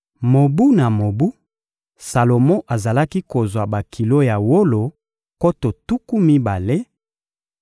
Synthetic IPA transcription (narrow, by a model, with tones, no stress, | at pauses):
mo˨bu˦na˨mo˨bu˦ | sa˨lo˨mɔ̃˦ʔa˨za˨la˦ki˦ko˨zwa˨ba˨kʰi˨lo˦ja˨wo˦lo˨ | ko˦to˨tu˦ku˦mi˦ba˨le˦